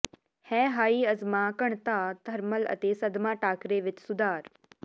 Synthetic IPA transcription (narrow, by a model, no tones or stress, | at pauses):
hɛːɦaːiːɐzmãːkɐɳ̃t̪aːd̪ʱɐɾməlɐ̰t̪eːsɐd̪ʱmãːʈaːkɾeːʋɪt͡ʃsʊd̪aːɾ